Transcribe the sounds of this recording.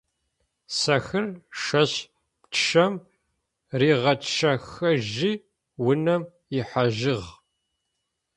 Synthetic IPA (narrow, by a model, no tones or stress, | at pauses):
sɐxɨrʂɐɕ | ptʰʃɐm | riːʁɐtʃɐxɐʒi | wʊnɐm | ɪħaʒɪʁ